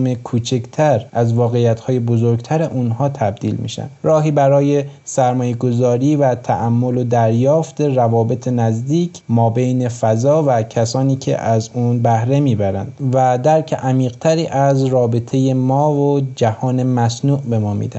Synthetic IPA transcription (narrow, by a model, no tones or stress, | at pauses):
mekʰuːt͡ʃʰekt̪ʰæɾʔæzvɒːɣejæt̪hɒːje̞bozoɾɡt̪ʰæɾeʔunɦɒːt̪ʰæb̚d̪ḭːlmḭːʃæ̰nd̪ɾɒːɦiːbæɾɒːje̞sæɾmɒːje̞ɡo̞zɒːɾiːvæt̪ʰæ̰ʔæmːo̞lod̪æɾjɒːft̪e̞ɾævɒːbe̞t̪ʰenæzd̪iːkʰmɒːbejne̞fæzɒːvæcʰæsɒːniːkʰḛʔæzunbæhɾe̞miːbæɾæ̰nd̪væd̪æɾcʰeʔæmiːɣt̪ʰæɾiːʔæzrɒːbe̞t̪ʰe̞je̞mɒːvod͡ʒæhɒːne̞mæsnuːʔbe̞mɒːmḭːd̪æ̰